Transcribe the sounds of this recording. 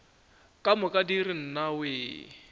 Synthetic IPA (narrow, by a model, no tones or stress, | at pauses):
kʼamʊkʼadirin̩naweː